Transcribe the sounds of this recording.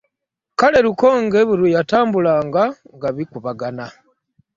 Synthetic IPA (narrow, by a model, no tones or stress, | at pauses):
kale̞ɾuko̞ŋɡe̞βuɾujataːmbulaːŋɡaŋɡaβikuβaɡana